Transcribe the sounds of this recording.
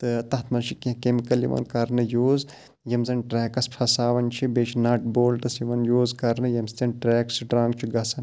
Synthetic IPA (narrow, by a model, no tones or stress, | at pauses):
t̪ɨt̪ɐɦt̪ʰmɐnʃʰikĩkemikɐljḭʋɐ̰nkɐɾnɨjuːz | jɐmzɐnʈɾɛːkɐspʰɐsaːʋɐnt͡ʃʰibet͡ʃʰnɐʈ̚boːlʈɐsjiʋɐnjuːzkɐɾnɨjɐmst̪ʲɐnʈɾɛːksɖɾãːŋɡt͡ʃʰiɡɐsɐn